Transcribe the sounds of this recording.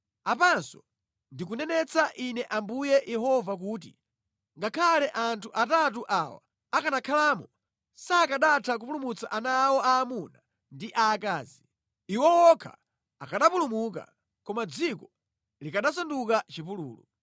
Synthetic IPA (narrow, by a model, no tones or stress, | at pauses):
apansɔ | ndik̬unɛnɛt͡saʔinɛʔambujɛjʔɛɦɔvak̬uːt̬ḭ | ŋɡakʰalɛʔantʰuʔatatuʔawa̰ | akanakʰalaːmɔ | saːkaɗatʰak̬upulumut͡saʔanawɔaːmuna | ndiʔaːkaːzi | iwɔwɔkʰa̰ | akaɗapulumuk̬a̰ | kɔmad͡zikɔ | likaɗasandukat͡ʃipuluːlṵ